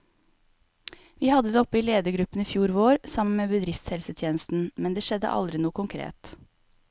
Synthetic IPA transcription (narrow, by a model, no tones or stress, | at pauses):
ʋiːhɑd̪əd̪eːɔpːəiːleːd̪əɡɾʉpən̩iːfjuːɾʋoːɾsɑmən̩meːbəd̪ɾɪft̪shɛlsət̪ʰjeːnəst̪n̩mɛnd̪eːʃɛd̪ə̰ʔɑ̰ld̪ɾɪnuːəkʰʊŋkʰɾḛːt̪